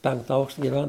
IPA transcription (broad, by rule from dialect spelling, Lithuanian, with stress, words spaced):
ˈpʲɛŋktɐ ˈɐʊkʃtɐ ɡʲɪˈʋʲɛn